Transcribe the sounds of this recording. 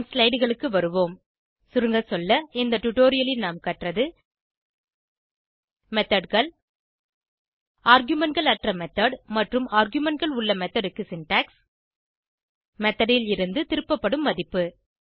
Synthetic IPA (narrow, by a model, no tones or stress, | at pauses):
slɐɪɖɣɐɭɯkːɯʋɐɾɯʋoːm | sʊɾɯŋɡɐsɔlːɐɪnd̪ɐʈʊʈoːɾɪjɐlɪlnaːmkɐʈrɐðɯ | mɛt̪ɐɖɣɐɭ | aːɾɡjʊmɛʈɡɐɭɐʈrɐmɛt̪ːɐɖmɐʈrɯmaːɾɡjɯmɛɳʈɡɐɭʊɭːɐmɛt̪ːɐɽɯkːɯsɪnʈaːks | mɛt̪ːɐɽɪlɪɾɯnd̪ɯt̪ɪɾɯpːɐpːɐɽɯmːɐðɪpːɯ